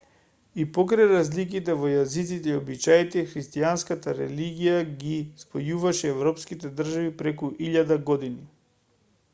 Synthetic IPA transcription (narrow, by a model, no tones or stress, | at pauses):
ipɔkɾajɾazlik̬it̪ɛvɔjazit̪sit̪ɛiobit͡ʃajt̪ɛxɾist̪ianskat̪aɾɛ̰liɡijaɡispɔjuvaʃɛːvɾɔpskit̪ɛd̪r̩ʒavipɾɛkuʔiʎad̪aɡɔd̪ini